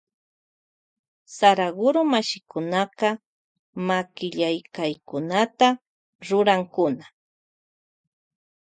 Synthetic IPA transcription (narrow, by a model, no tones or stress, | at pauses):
saɾaɡʊɾomaʃɪkʊnaqɑ | makɪʎajkajkʊnat̪a | ɾʊɾaŋkʊna